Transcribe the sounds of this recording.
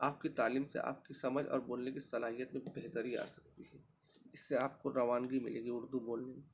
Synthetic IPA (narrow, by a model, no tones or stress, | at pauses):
aːp̚kit̪aːliːmsḛʔa̰ːp̚kisɐməd͡ʒɔ̰ːɾboːlnekisɐlaːɦijət̪mẽbeɦt̪əɾia̰ːsɐ̥k̚t̪iɦɛː | ɪsːeaːp̚koɾɐʋaːnɡimɪ̰leːɡiʊɾd̪uboːlnemẽː